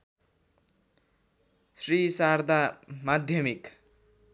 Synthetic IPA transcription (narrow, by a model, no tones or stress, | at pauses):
srisaɾd̪ʱamad̪ʱjʌmik